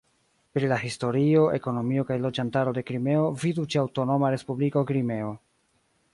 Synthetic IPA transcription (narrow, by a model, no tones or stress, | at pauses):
pɾilaɦisto̞ɾio̞ʔe̞̰ko̞no̞mio̞kajlo̞d͡ʒantaɾo̞de̞kɾime̞o̞vidut͡ʃiawto̞no̞maɾe̞spubliko̞kɾime̞o̞